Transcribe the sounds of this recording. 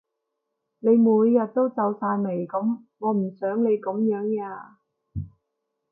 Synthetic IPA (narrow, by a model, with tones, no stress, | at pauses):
ne˨˧jmuː˨˧˥jːɐ˨t̚t̪o˥wt͡sɐ˨˧wsaː˧jme˨˩jkɐ˨˥m | ŋɔː˨˧m̩˨˩sœː˨˥ŋne˨˧jkʊ˨˥mjœː˨˥ŋjaː˧